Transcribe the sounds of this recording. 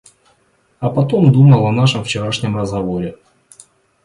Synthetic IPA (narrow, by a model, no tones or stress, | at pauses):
ɐpɐt̪omd̪uməlˠɐnaʂɨmft͡ɕɪɾaʂnʲəmrəzɣɐvo̞ɾʲɪ